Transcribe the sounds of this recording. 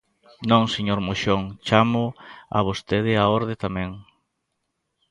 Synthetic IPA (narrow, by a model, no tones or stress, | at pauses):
nõŋseɲoɾmoʃoŋt͡ʃamʊa̰βost̪eð̞ɪaoɾðɪt̪amẽŋ